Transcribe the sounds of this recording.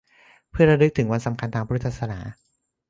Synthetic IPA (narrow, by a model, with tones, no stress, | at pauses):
pʰɯ˥˩ɐɾa˧ɾɯ˦˥k̚t̪ʰɯ˩˦ŋwa˧nsa˩˦mkʰa˧nt̪ʰaː˧pʰa˦ɾu˦˥t̪ʰa˧˩sa˧na̰ː˩˦